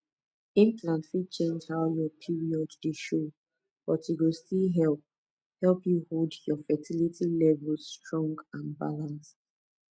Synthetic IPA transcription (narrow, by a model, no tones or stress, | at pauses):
ĩnplãntfit͡ʃẽnd͡ʒhaʊjɔpʰiɹiɔddəʃo | b̥ɔtjuɡostilɦɛlp̚ | hɛlpjuholdjɔfɛtʰilitʰilɛvlˠsːtɹɔ̃ŋɡãnba̰lãnst